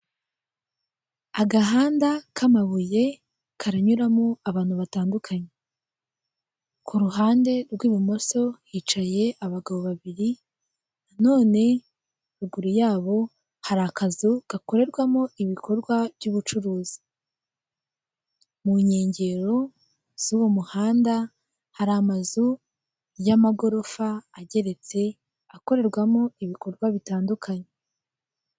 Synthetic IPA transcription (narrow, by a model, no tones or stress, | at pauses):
aɡaɦaːndakʰamaβuje̞ | kʰaɾaɲuɾamoaβaːn̥huβataːndukʰaɲe̞ | kʰuɾuɦaːnde̞ɾɡwiːβumo̞so̞hiːt͡ʃaje̞ʔaβaɡaβo̞βaβiɾi | nano̞ːne̞ | ɾuɡuɾujaːβo̞ | haɾakazuɡ̥ako̞ɾe̞ɾɡwamo̞iβikʰo̞ɾɡwav̥juːβut͡ʃuɾuːzi̥ | muɲe̞ːɲɟe̞ɾo̞ | z̥uːwo̞muhaːnda | haɾaːmazu | jamaɡo̞ɾo̞faːɟe̞ɾe̞t͡se̞ | ako̞ɾe̞ɾɡwamo̞iβiko̞ɾɡwaβitaːndukʰaɲe